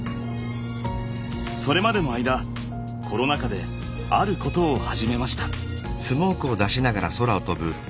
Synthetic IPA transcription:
so̞ɾe̞mad̪e̞no̞ajd̪a | kʰo̞ɾo̞nakad̪e̞ | a̰ɾɯ̟ko̞t̪o̞ːhaʑime̞maɕi̥t̪ḁ | sɨmo̞ːkɯ̟o̞d̪aɕinaɡaɾaso̞ɾao̞t̪o̞bɯ̟

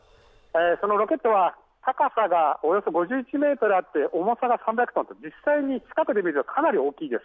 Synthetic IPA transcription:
eːso̞no̞ɾo̞kʲe̞t̪ːo̞βa | t̪akasaɡao̞jo̞so̞ɡo̞ʑɨːit͡ɕime̞ːt̪o̞ɾɯat̪ːe̞ʔo̞mo̞saɡasãmbʲjakɯ̟t̪ont̪od͡ʑisːaiɲ̟it͡ɕi̥kakɯ̟d̪e̞mʲiɾɯt̪o̞kʰanaɾʲio̞ːkʲiːd̪e̞sɨ̥

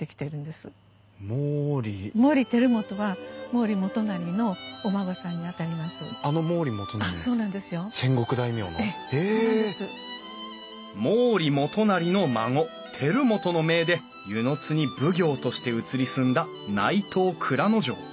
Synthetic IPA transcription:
t̪ːekʲi̥t̪e̞ɾɯ̟̃nd̪e̞sɨ | moːɾʲimo̞ːɾʲit̪e̞ɾɯ̟mo̞t̪o̞βamo̞ːɾʲimo̞t̪o̞naɾʲino̞ːmaɡosãɲ̟ːiat̪aɾʲimasɨano̞mo̞ːɾʲimot̪onaso̞ːnãnd̪e̞sɨjo̞sẽ̞ŋɡo̞kɯd̪aimʲo̞̰ːne | eodesɨ | moːɾʲimo̞t̪o̞naɾʲino̞maŋo̞ | t̪ʰe̞ɾɯ̟mo̞t̪o̞no̞me̞ːd̪e̞ | jɯ̟no̞t͡sɨɲ̟ibɯ̟ɡʲo̞ːt̪o̞ɕi̥t̪e̞ɯ̟t͡sɨɾʲisɨ̃nd̪a | nait̪ʰo̞ːkʰɯ̟ɾano̞ʑo̞̰ː

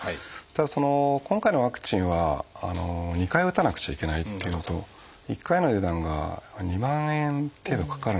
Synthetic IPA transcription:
t̪ad̪aso̞no̞kõ̞ŋkaino̞βakɯ̟̥t͡ɕĩɰ̃βaa̰no̞ɲ̟ikaiɯ̟t̪anakɯ̟̥t͡ɕaike̞nait̪ːe̞jɯ̟no̞t̪o̞ | ikːaino̞d̪ed̪ãŋɡa̰ɲ̟imãɰ̃ẽnt̪e̞ːd̪o̞kḁkaɾɯ̟

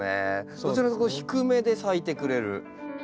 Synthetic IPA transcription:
ḛsot͡ɕiɾak̪koçi̥kɯ̟me̞d̪e̞sait̪e̞kɯ̟ɾe̞ɾɯ̟̰

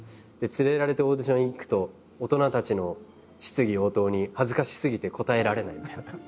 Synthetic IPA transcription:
d̪̥e̞t͡sɨɾe̞ɾaɾe̞t̪eoːd̪eɕinõikɯ̥t̪o̞ː | t̪o̞nat̪at͡ɕino̞ | ɕi̥t͡sɨɡʲio̞ːt̪o̞ːɲ̟ihazɨkaɕi̥sɨɡʲit̪e̞ko̞t̪ae̞ɾaɾe̞naimʲit̪a

